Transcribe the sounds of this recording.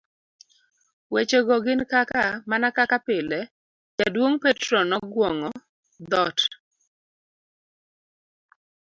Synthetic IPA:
wet͡ʃeɡɔɡɪnkakamanakakapɪlɛ | d͡ʒadwoŋpɛtɾɔnɔɡwɔŋɔ | d̪ɔt

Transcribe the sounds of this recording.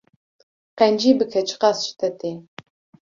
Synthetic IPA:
qɛnd͡ʒiːbɨkʰɛt͡ʃʰɨ̥qɑsʃɨ̥t̪ʰɐt̪ʰeː

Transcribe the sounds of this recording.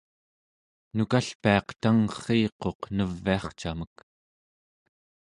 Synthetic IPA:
nukaɬpiɑqt̪aŋχiːqo̞qnəvːiɑχt͡ʃamək

